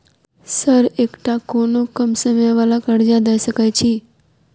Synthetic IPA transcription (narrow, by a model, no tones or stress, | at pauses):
səɾekʈakonokəmsəmjʋalakəɽd͡ʒad̪əjsəkajt͡ʃʰi